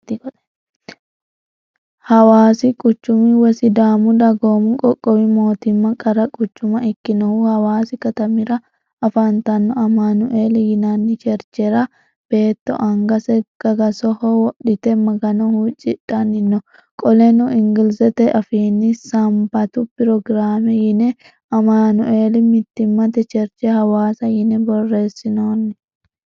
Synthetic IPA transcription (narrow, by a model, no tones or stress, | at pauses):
t̪kɔ̥ | hɐwaːsɪkʼʊt͡ʃːʊmiwɛsɪd̪aːmʊd̪ɐɡoːmʊkʼɔkʼːɔwɪmoːt̪ɪmːɐkʼɐɾɐkʼʊt͡ʃːʊmɐʔɪkːɪnɐhuhɐwaːsɪkɐt̪ɐmɪɾɐː | fɐnt̪ɐnːɔɐmaːnʊʔeːlɛjɪnaːnːɪt͡ʃɛɾt͡ʃɛɾɐ | b̥e̞ːt̪ːɔ̰ʔɐŋɡɐsɛɡ̥ɐɡɐsɔhɔwɔᶑɪt̪ɛmɐɡɐnɔhut͡ʃʼɪᶑɐnɪnːɔ | kʼɔlɛnʊʔɪŋɡɪlsɛt̪ɛʔɐfiːnːɪsɐmbɐt̪upɪɾɔɡɾaːmɛjɪnɛ | ʔɐmaːnʊʔeːlɛmɪt̪ːɪmːɐt̪ɛt͡ʃɛɾt͡ʃɛhɐwaːsɐjɪnɛbɔrːe̞ːsːɪnoːnːɛ